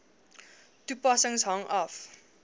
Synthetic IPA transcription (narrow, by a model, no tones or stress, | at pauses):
tupɐsəŋsɦɐŋɐf